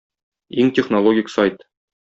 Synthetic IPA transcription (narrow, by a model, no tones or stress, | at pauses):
iŋtʲɪχnolˠoɡʲiksajt̪